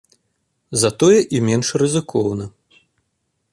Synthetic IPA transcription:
zɐt̪ɔjɛʔimʲɛnʂrɨzɨkʰɔwnɐ

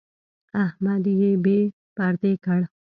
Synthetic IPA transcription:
aɦmad̪iebe | paːɾt̪eːkʰɐɽ

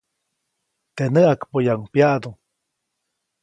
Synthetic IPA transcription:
t̪enəakpojaŋpjaʔd̪uŋ

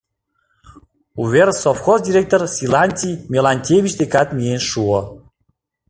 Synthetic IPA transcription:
uversofxosd̪ʲiɾʲek̚t̪orsʲilˠanʲt̪ʲimʲelˠanʲtʲevʲit͡ɕd̪ekat̪mienʃuo

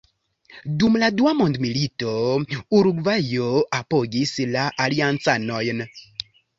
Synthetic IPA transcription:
dumladuamondmilito̞uɾuɡvajoapoɡislaʔaliant͡sano̞jn

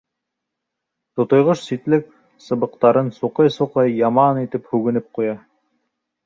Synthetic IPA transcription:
t̪ŏt̪ŏjʁɤʃsit̪lɘk̚ | sɤ̆βɤ̆qt̪ɑɾɤnsuqɤjsuqɤjːɑmɑnit̪ɘphʉɡɘ̆nɘp̚qujɑ

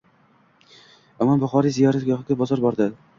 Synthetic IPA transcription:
ɒmɒmbʊχɒɾijzijɒɾat̪ɡʲɒʁɪɡʲabɒzɒɾbɒɾd̪ɪ

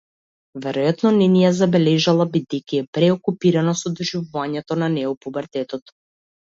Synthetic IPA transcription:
vɛɾɔjat̪nɔnɛnijazabɛlɛʒalˠabid̪ɛjkʲiɛpɾɛokupiɾanɔsɔd̪ɔʒivuvaɲɛt̪ɔnanɛɔpubaɾt̪ɛt̪ɔt̪

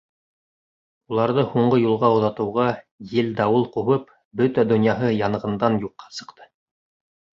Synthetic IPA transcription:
ulˠɑɾðɤhuɴɢɤjulˠʁɑŏðɑt̪ɤ̆wʁɑ | jɘld̪ɑwɤlˠquβɤp | bɵt̪æd̪ŏnjɑɦɤjɑnɤ̆ʁɤ̆nd̪ɑnjuqːɑ̥sɤ̥̆qt̪ʰɤ̥

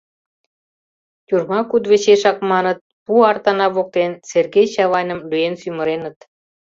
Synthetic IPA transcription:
t̪ʲurmɑkud̪βet͡ɕeʃɑkmɑnə̆t̪̚puɑrt̪ɑnɑβok̚t̪enserɣejɕɑβɑnʲə̆mlyjensymə̆ɾenə̆t̪

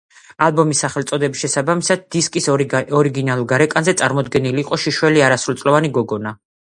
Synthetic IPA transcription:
alˠbɔmisːaχɛlˠt̪sʼɔd̪ɛbisʃɛsabamisad̪̚d̪iskʼisɔɾiɡinalˠuɾɡaɾɛkʼanzɛt̪sʼaɾmɔd̪ɡɛniliːqʼɔʃiʃwɛliaɾasɾulˠt̪ʼlɔvaniɡɔɡɔna

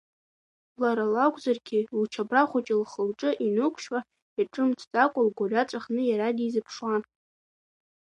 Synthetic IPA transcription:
laɾalakʷʼzarɡʲilt͡ʃʰabraχʷʊt͡ʃʼɪlχəlʈ͡ʂʼɨʔinɨkʷʰʃwa | aʈ͡ʂʼɨmt͡sʰtʼakʷʼʊlɡʷorʲat͡sʷʼaχnɨjaɾadizɨpʰʂwan

